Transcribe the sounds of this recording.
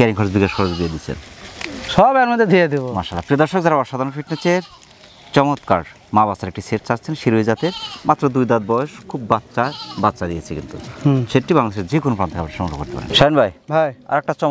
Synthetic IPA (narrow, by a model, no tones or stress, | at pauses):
kɛɾiŋkʰɔɾd͡ʑbikaʃkʰɔɾd͡ʑd̪ied̪it͡ɕʰḛnʃɔbɛɾmod̪ʱːed̪ʱied̪ibomaʃalːapɾid̪ɔɾʃok̚d͡ʑaɾaaʃad̪ʱanofiʈnet͡ɕeɾ | t͡ɕɔmot̪ka̰ɽ | maβasaɾek̚ʈiseʈt͡ɕat͡ɕːt͡ɕʰenʃiɾued͡ʑat̪eɾmat̪ːɾod̪ujd̪ad̪̚bɔoʃkʰubːatːɕaɾbatːɕad̪ijet͡ɕʰekḭnt̪ṵʃeʈibaŋlad̪eʃeɾd͡ʑekonopɾant̪ʰekabaɾʃɔmoo̰koɾt̪epa̰ɾḛn̰iʃajonbʱajbʱaja̰ɾɛk̚ʈat͡ɕɔ